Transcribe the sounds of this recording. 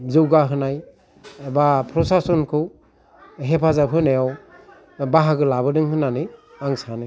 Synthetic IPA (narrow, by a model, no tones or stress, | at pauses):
zɯwɡaɦɯnaj | bapʰɾɔsasɔnkʰɯw | ɦepʰazapʰɯnajaw | baɦaɡɯlabɯdɯŋhɯnanɯ | aŋsanɯj